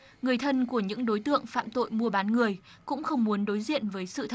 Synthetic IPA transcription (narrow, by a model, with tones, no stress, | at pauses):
ŋɨ˨˩əjt̪ʰə˧nku˧˩əɲɨ̰˧˥ŋɗo˨˦jt̪ɨ̰˧˨əŋfa̰ː˧˨mt̪o̰˧˨jmu˧əɓaː˨˦nŋɨ˨˩əj | kʊ̰˧˥ŋ͡mxə˧wŋ͡mmu˨˦ənɗo˨˦jzḭ˧˨ənvəː˨˦jsɨ̰˧˨t̪ʰə˧˩